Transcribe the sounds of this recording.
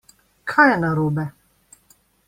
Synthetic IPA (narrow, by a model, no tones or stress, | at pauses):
kʰaːjɛnaɾuːbɛ